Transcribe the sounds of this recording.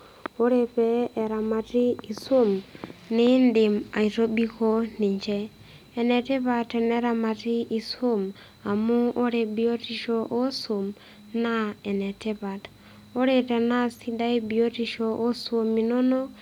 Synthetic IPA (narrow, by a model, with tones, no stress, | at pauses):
o˦ɾe˨pɛː˦˨ɾa˨ma˨ti˦i˨so˦mnɪ˦ndɪ˨ma˨i˨ɾo˦bi˦ko˦nɪ˨ɲt͡ʃɛ˦ | ɛ˨nɛ˨te˦pa˨tɛ˨nɛ˦ɾa˨ma˨ti˦ʔi˨so˦m | a˨mu˦o˦ɾe˨bi˦o˦ti˦ʃo˨ʔo˦so˨m | na˦ɛ˨nɛ˨tɛ˦pa˨t | o˦ɾe˨tɛ˨na˦si˦da˦i˦bi˨o˦ti˦ʃɔ˨ʔo˦so˨mi˨no˦nɔ˦